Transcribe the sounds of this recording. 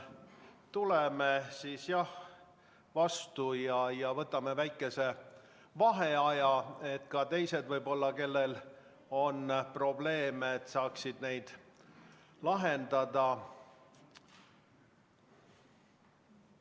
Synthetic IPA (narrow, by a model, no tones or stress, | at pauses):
t̪ulemesiːsjɑh | vɑst̪ujɑjɑvɤt̪ːˑɑme̞væjkːˑe̞se̞ | vɑɦe̞ɑjɑe̞t̪kɑt̪e̞jse̞d̪vɤjbo̞lːɑke̞lːe̞l | o̞npro̞ble̞ːmeet̪ːsɑːksid̪̥ne̞jd̪̥ | lɑɦe̞nd̪̥ɑd̪ɑ